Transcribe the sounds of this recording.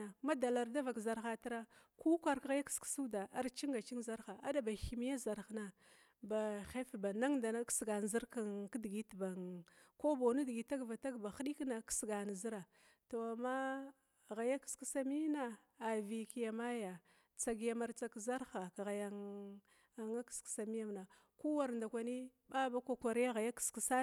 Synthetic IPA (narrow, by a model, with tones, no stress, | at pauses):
a˨ma˦da˨la˨ɾda˦va˨kza˨ɾxa˨ta˦ɾa˦ku˦kʷa˨ɾkɣa˦ja˦kski̥˨˦su˦da˨ʔa˨ɾt͡ʃi˦ŋɡa˨t͡ʃi˦ŋ˦za˦ɾxa˨a̰˦da˨ba˨xi˨m˦a˦za˨ɾxna˨ | ba˨xe˦fba˨na˦ŋda˨na˦ksɡa˨n˨zi˦ɾka˨ŋkdi˨ɡi˦tba˨ŋko˦bo˨na˦di˨ɡi˨ta˦ɡva˨ta˦ɡba˨xɗi˦kna˨˦ksɡa˨n˨zi˦ɾa˨ | to˨a˨ma˦ | ɣa˨ja˦kski˦sa˦mi˦naː˨ | vi˨ki˦ja˨ma˦ja˨ | t͡sa˨ɡja˨ma˨ɾt͡sa˨kza˦ɾxa˨ka˨ɣa˨ja˨ŋ˨ | ŋa˦ksksa˨mi˦ja˦mna˨ | ku˦wa˨ɾnda˨kʷa˨ni˦ba˦ba˦kʷa˦kʷa˨ɾja˦ɣa˨ja˦ki̥˨ski˨sa˦